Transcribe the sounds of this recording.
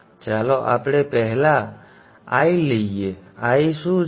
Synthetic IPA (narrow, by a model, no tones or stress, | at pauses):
t͡ʃalɔʔa̰pɽepɛɦla | a̰jlɛjeajsu